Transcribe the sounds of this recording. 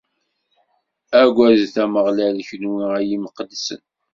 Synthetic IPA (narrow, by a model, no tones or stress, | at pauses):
æɡʷæzθæməʁlælçənwiæjiməqəd̪ːsə̰n